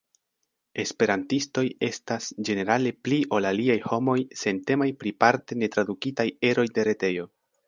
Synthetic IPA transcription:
e̞spe̞ɾantisto̞je̞stasd͡ʒe̞ne̞ɾale̞pliʔo̞laliajho̞mo̞jse̞nte̞majpɾipaɾte̞ne̞tɾadukitaje̞ɾo̞jde̞ɾe̞te̞jo̞

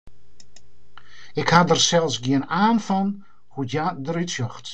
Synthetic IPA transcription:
ɪkhadərsɛlˠsɡiənaːnfɔn | hujadəritsjɔxt

